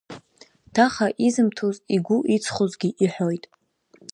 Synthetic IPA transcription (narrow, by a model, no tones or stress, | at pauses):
d̥ʰaχaʔizɨmtʰoziɡʷʊʔit͡sʰχozɡʲiʔiħʷojtʼ